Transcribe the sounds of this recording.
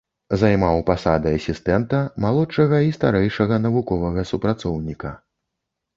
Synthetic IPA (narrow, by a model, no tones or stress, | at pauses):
zajmawpasad̪ɨɐsʲist̪ɛnt̪ɐmalˠɔtʂɐɣɐist̪aɾɛjʂɐɣɐnɐvukɔvɐɣɐsupɾat̪sɔwnʲikɐ